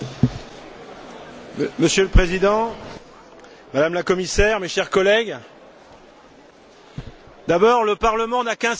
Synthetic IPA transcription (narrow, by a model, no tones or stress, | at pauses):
məsjøləpχezid̪ɑ̃ | mad̪amlakɔmisɛʁmeʃɛʁkɔlɛɡ | d̪abɔʁləpaʁləmɑ̃nakɛ̃